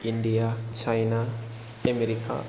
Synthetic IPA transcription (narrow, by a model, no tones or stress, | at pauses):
iɳɖijat͡ʃʰajna | emeɾikʰa̰